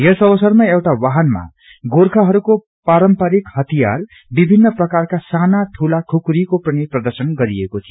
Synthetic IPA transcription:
jesʌbʌsʌrmaewʈawaɦʌnma̰ | ɡorkʰaɦʌɾuko | paɾʌmpʌɾikhʌt̪ija̰l | bibʱinːʌprʌkarkasanaʈʰulakʰukɾikoprʌniprʌd̪ʌrsʌnɡʌɾiekot̪ʰijo

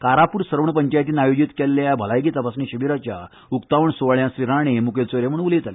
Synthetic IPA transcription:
kaɾapuːɾsəɾəʋɳpəɲt͡ɕajt̪iːnajod͡ʑit̪kelːjabʱəlajɡit̪əpasniɕəʋiɾat͡ɕja | ukt̪aʋəɳsoɭjãsɾiɾaɽ̃emukelt͡soɾem̤əɽũnulet̪ale

